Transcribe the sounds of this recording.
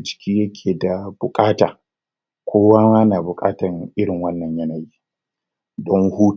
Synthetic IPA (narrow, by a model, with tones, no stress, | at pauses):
d͡ʒɪ̥˨kʲʰiː˦jɐ˦kʲʰeː˨da˨b̥ʊ˨kʼaː˦taː˨ | kʷoː˦waː˦waː˦naː˨bʊ˨kʼa̰ː˦tɐ˨ŋʔɪ˦ɾɪ˨ŋwɐ˦nːɐ˨ɲjɐ˦na˨jiː˦ | dɔ˦ŋhuː˦